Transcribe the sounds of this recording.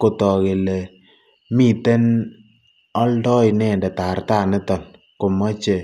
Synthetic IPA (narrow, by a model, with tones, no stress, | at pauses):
ko˨tɔ˨ke˨lɛ˨ | mi˦˨te˦n | ɔ˦ldɔ˦jnɛ˦˨ndɛ˨ta˨rt̪a˦˨nɛ˦tɔ˨n | kʊ˨mɔ˦t͡ʃe˨